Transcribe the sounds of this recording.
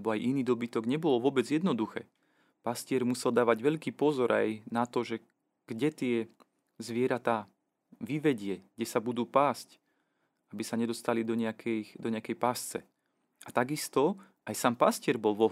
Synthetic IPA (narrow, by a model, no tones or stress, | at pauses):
ɛbɔajʔiniːd̪ɔbit̪ɔɡɲɛbɔlɔʋʊɔbɛd͡zjɛd̪nɔd̪uxɛ̰ː | pascɪɛɾmusɛld̪aːʋaɟʋɛʎkiːpɔzɔɾʔa̰jnat̪ɔʒɛ | ɡ̥ɟɛt̪ɪɛ | zʋɪɛɾat̪aː | ʋiʋɛɟɪɛɡ̥ɟɛsabud̪uːpaːsc | abisaɲɛd̪ɔst̪alid̪ɔɲɛakʰɛjd̪ɔɲɛakɛjpast͡sɛ̰ | at̪aɡist̪ɔ | ajsaːmpascɪɛɾbɔlˠʋɔ